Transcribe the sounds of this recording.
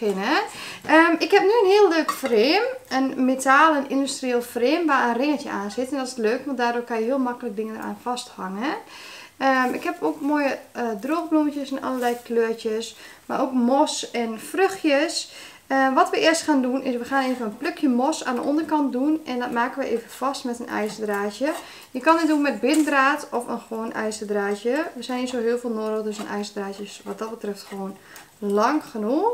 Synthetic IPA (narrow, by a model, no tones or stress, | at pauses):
ɪnəəmɪkhɛp̚nyənhiəlˠløːkfreːmənmetʰaːlˠɛnindystrieːlˠfəreːmʋaənrɪŋətjəaːnsɪtɛndɔtɪ̥sløːkʋɔntdaːdoːkanjəɦiəlˠmakələk̚dɪŋəndəɾʔa̰ːnfɔsthaŋə | əmɪkhɛpokmoːjəədroːxbluməcjəsɛnʔɔ̰ləlɛjkløətjəsma̰rʔokmɔsɛnfrøxjəs | ʋɔtʋəʔɪəstxaːndunɪsʋəxaːneːvənənpløkʰjəmɔsaːndəʔɔndərkɑnt̚dunɛndɔtmaːkənʋəʔeːvəfɔstmɛtənɛ̰jsədraːtjə | jəkɔnɪtdunmɛt̚bɪnəndraːtʰɔfənxʋoːnʔɛjsədraːtjəʋəsɛjnisoɦɪəlˠfeːlˠnoːɾdəlˠdøsənʔɛ̰jsədraːtjəsʋɔt̚dɔt̚bətrɛftxʋoːn | lɑŋxənux